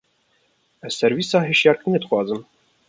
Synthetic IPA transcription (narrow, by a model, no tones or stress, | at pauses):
ɛsɛɾviːsɑːɦeʃjɑːɾkɨneːd̪ɨxʷwʷɑːzɨm